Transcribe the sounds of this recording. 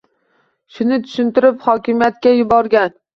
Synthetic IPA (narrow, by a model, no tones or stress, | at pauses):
ʃʊnɪt̪ʰʊ̥ʃɪnt̪ɪɾɪphɒkʲɪmijat̪̚kʲajʊbɒɾɡʲan